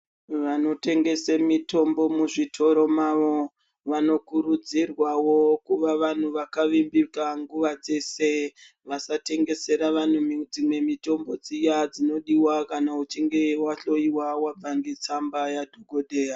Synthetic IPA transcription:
ʋano̞te̞ŋɡe̞semito̞mbo̞muʐitʰo̞ɾo̞maʋo̞ | ʋano̞kuɾud͡zirwawo̞kuʋaʋan̤uʋakaʋimbikaŋɡuʋad͡ze̞se | ʋasate̞ŋɡe̞se̞ɾaʋan̤umid͡zimwe̞mito̞mbo̞d͡zijad͡zino̞ɗiwakanaut͡ʃiŋɡe̞waɬo̞iwawab͡vaŋɡet͡sambajadʱoɡʱoɗe̞ːja

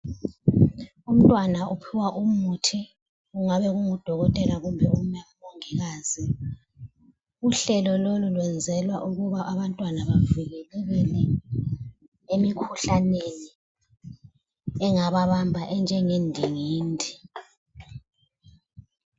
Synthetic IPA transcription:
um̩tʼwanaupʰiwaʔumutʰi | uŋaβɛɣuŋud̥ʱɔɣɔtʼɛlaɣumbʱɛum̩jam̩mɔŋɛɣaːzi | uɬɛlɔlolulwɛnd͡zʱɛlwaʔuɣuβaʔaβantʼwanaβaviɣɛlɛɣɛlɛ | emikʰuɬaneni | ɛŋaβaβambʱaʔɛnd͡ʒʱɛŋendʱiŋiːndʱi

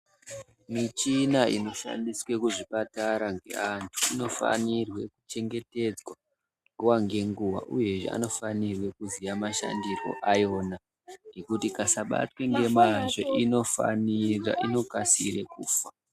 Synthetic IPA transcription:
mit͡ʃinaino̞ʃa̰ndiswe̞kuʐipataɾaŋɡe̞̰antʰu̥ino̞fa̰nirwe̞kut͡ʃe̞ŋɡe̞te̞d͡zwa | ŋɡuwaŋɡe̞ŋɡuwa̰ʔuje̞ʐḛa̰no̞fanirwe̞kuzijamaʃa̰ndiro̞̰ʔajo̞ːna | ŋɡe̞kutikasaɓa̰twe̞ŋɡe̞maʐoʔino̞fa̰nira̰ʔino̞kasḭre̞kuːfa

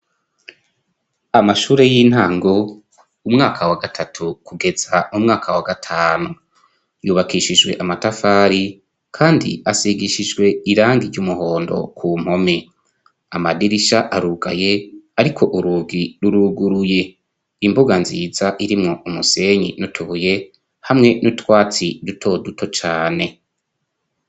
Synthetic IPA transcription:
amaʃuːɾe̞jiːn̥haːŋɡo | umŋaːkʰawaɡatʰatʰukuɡe̞z̥aumŋaːkʰawaɡatʰaːnu | juːβakiʃid͡ʒwe̞ʔamatafaːɾi | kʰaːndḭasiɡiʃid͡ʒɡwe̞iɾaːŋɡiɾɟumuho̞ːndo̞̰kʰuːm̥ho̞me | amadiɾiʃaʔaɾuɡa̰je̞aɾikʰo̞ʔuɾuːɡiɾuɾuːɡuɾuje̞ | imbuɡanzizaʔiɾimŋo̞ʔumuse̞ɲinotʰuβuje̞ | hamŋe̞nutwaːt͡sidutʰo̞duto̞t͡ʃaːne̞

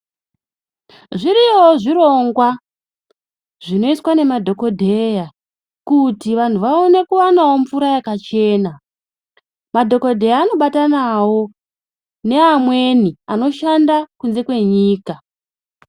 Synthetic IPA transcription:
ʐiɾioʐiɾo̞ŋɡwa | ʐino̞iswane̞madʱo̞ko̞dʱe̞ja | kutiʋantʰuʋaone̞kuwanawo̞mfuɾajakat͡ʃe̞ːna | madʱo̞ko̞dʱe̞jaːno̞ɓatanawo̞ | ne̞amwe̞niano̞ʃandakunze̞kwe̞ɲiːka

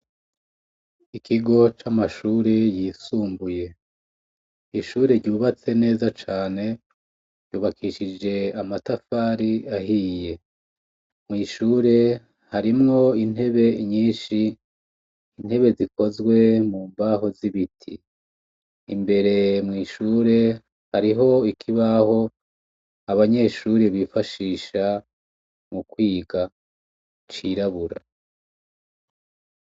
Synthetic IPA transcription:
ikʰiɡo̞t͡ʃamaʃuːɾe̞jiːsuːmbuje̞ | iʃuːɾe̞ɾɟuːβat͡se̞ne̞ːzat͡ʃaːne̞ | ɾɟuːβakʰiʃid͡ʒe̞amatafaɾiahiːje̞ | mŋiːʃuːɾe̞ | haɾimŋo̞in̥he̞βe̞ɲiːʃi | n̥he̞βe̞ziko̞zɡwe̞muːmbaho̞ziβitʰḭ | mbe̞ɾe̞mŋiːʃuːɾe̞ | haɾiɦo̞ikʰiβaho̞ | aβaɲe̞ʃuːɾeβifaʃiːʃa | mukwiːɡa | t͡ʃiɾaβuɾa̰

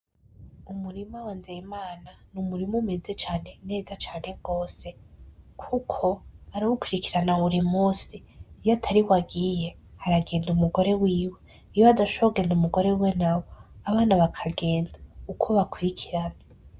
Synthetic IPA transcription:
umuɾimawanzejimaːnanumuɾimumeze̞t͡ʃaːne̞ne̞ːzat͡ʃaːne̞ɡ̥o̞ːse̞kʰukʰo̞aɾaɡukwiɾikiɾanaβuɾimuːsiː | jatʰaɾiwaɡije̞ | haɾaɡe̞ːndumuɡo̞ɾe̞wiːwe̞ | ijoadaʃoɡe̞ːndumuɡo̞ɾeuwenawo̞aβaːnaβakʰaɡe̞ːndaukʰoβakuɾikʰiɾana

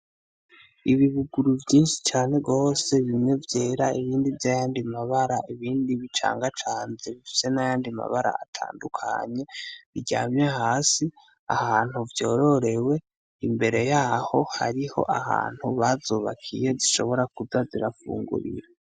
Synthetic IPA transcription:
iβiβuɡuɾuvjiːnʃi̥t͡ʃaːne̞ɡo̞ːse̞βimŋe̞vjeːɾaiβiːndivjaːjaːndimaβaɾaiβiːndiβit͡ʃa̰ːŋɡat͡ʃaːnzeβifi̥se̞najaːndima̰βaɾa̰a̰tʰa̰ːndukʰa̰ɲe̞βiɟa̰ːmɲe̞haːsi | a̰haːn̥huvjo̞ːɾo̞ɾe̞we̞ | imbe̞ɾe̞jaːho̞ha̰ɾiho̞̰ʔaha̰ːn̥huβazoːβa̰kʰḭje̞ziʃo̞̰βo̞ɾakuzaziɾafṵːŋɡṵɾḭɾa

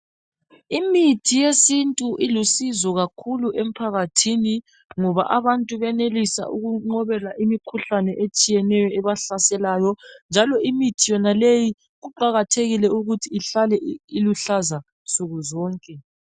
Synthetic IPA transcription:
imitʰijesintʼuʔilusizɔɣakʰuluʔem̩pʰaɣatʰini | ŋɔβa̰ʔaβantʼuβɛnelisa̰ʔuɣuŋ͡ǃɔβɛlaʔimikʰuɬanɛʔet͡ʃʼijɛnɛjɔɛβaɬasɛlaːjɔnd͡ʒʱalɔimitʰijɔnaleji | ɣuǃaɣatʰeɣilɛuɣutʰiːɬalɛiluɬaza | suɣuzɔːŋkʼɛ

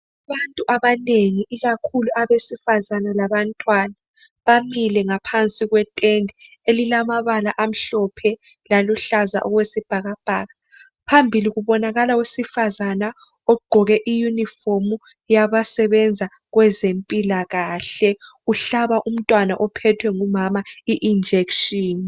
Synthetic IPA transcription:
aβantʼuʔaβaneŋiʔiɣakʰuluaβesifazanalaβantʼwana | βamilɛŋapʰant͡sʼiɣwɛtʼendʱi | elilamaβalaʔam̩ɬɔpʰɛlaluɬaza̰ʔɔɣwesib̥ʱaɣab̥ʱaːɣa | pʰambʱiliɣuβɔnaɣalawesifazana | ɔɡ͡ǃʱɔɣɛʔijunifomu | jaβasɛβɛnd͡zʱa | ɣwɛzempʼilaɣaːɬɛuɬaβaʔum̩tʼwana̰ʔɔpʰɛtʰwɛŋumamaiʔind͡ʒʱekʃiːn

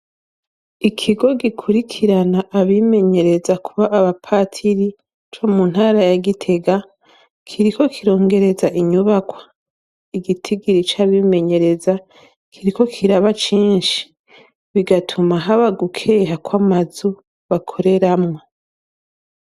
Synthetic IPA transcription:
ikʰiɡo̞ɡikʰuɾikʰiɾanaʔːβime̞ɲe̞ɾe̞zakʰuβaʔːβapʰaːtʰiɾi | t͡ʃo̞mun̥haːɾajaɡitʰe̞ɡa | kʰiɾiko̞kʰiɾo̞ːŋɡe̞ɾe̞zaʔiɲuβakwḁ | iɡitʰiɡiɾit͡ʃaβime̞ɲe̞ɾe̞za | kʰiɾiko̞kʰiɾaβat͡ʃiːnʃi̥ | βiɡatʰumaɦaβaɡukʰe̞ːɦakwamazu | βakʰo̞ɾe̞ɾamŋo

